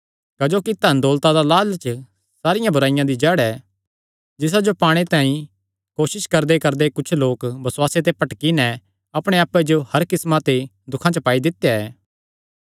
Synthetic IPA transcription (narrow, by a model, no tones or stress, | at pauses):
kɐd͡ʒoːkit̪ɐnd̪oːlt̪ad̪alaːlt͡ʃə | saːɾɪjãbʱʊɾaːɪjãd̪id͡ʒɛːɽɛː | d͡ʒɪs̬ad͡ʒopaːɽ̃et̪ãːĩ | koːʃɪʃkɐɾd̪ekɐɾd̪ekʊt͡ʃʰloːkbɐswaːset̪̬epɐʈkinɛ | ɐpɽ̃eaːpːed͡ʒohɐɾkɪsmat̪e | d̪ʊkʰãt͡ʃpaːid̪ɪt̪ːejaɛː